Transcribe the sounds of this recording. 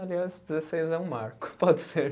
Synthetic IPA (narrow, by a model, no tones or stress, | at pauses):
aliazd͡ʒɪzesejzɛũma̰ɾkʊ̥pɔd̪ɪseɾ